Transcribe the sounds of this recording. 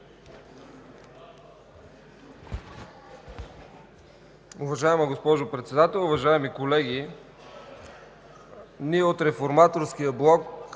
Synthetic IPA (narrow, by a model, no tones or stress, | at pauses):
ʊvɐʒaɛməɡospɔʒopɾɛt̪sɛd̪at̪ɛlˠʊvɐʒaɛmikolɛɡ̟i | niɛot̪ɾɛfoɾmat̪oɾskijəblˠɔk